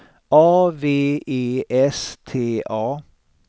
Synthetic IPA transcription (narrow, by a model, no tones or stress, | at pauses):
ʔɑːʋeːeːʔɛst̪ʰeːʔɑː